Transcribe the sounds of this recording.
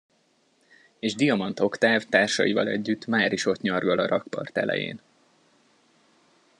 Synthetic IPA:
eːʒd̪ijɒmɒnt̪o̞kt̪aːvt̪aːrʃɒ̰jivɒlɛ̰ɟːyt̪maːɾiʃo̞t̪ɲɒrɡɒlɒɾɒkpɒ̰rt̪ɛ̰lɛ̰jḛːn

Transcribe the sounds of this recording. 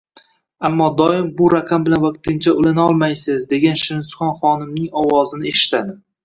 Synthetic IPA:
amːɒd̪ɒɪmbʊɾaqʰambɪlanvaq̚t̪ɪnt͡ʃʰaʊlanaɒlˠmajsɪzd̪e̞ɡʲanʃɪɾɪsχɒnχɒnɪmnɪŋɒwɒzɪnɪeʃɪ̥t̪ʰad̪ɪ

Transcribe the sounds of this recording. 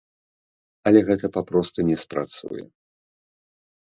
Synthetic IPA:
ɐlʲɛɣɛt̪ɐpapɾɔst̪unʲɛspɾat̪sṵjɛ̰

